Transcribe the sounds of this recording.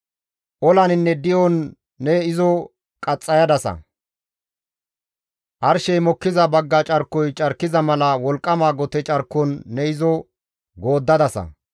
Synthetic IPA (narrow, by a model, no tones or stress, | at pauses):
ʔɔlɐnɪnːɛd̪ɪjɔnː | ɛɪzɔ | kʼɐt͡sʼːɐjɐd̪ɐsɐ̰ | ʔɐɾʃɛjmɔkːɪzɐbɐɡːɐt͡ʃʼɐɾkːɔjt͡ʃʼɐɾkːɪzɐmɐlɐwɔlkʼːɐmaːɡɔt̪ɛt͡ʃʼɐɾkːɔnːɛɪzɔ | ɡo̞ːd̪ːɐd̪ɐsɐ̰